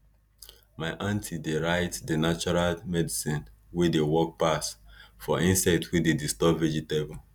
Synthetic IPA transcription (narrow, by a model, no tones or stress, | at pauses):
maɪʔãntʰideɹaɪtdənat͡ʃɔɹalmɛdisĩn | wedewɔk̚pasfɔʔĩnsaɪtwededistɔbvɛd͡ʒitebɔ